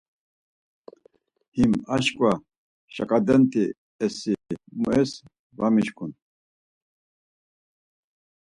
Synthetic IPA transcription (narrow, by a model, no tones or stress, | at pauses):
himaʃkʼwa | ʃa̰kʼad̪ɛnt̪ʰʼi | ɛsimṵɛs | vamiʃkʰun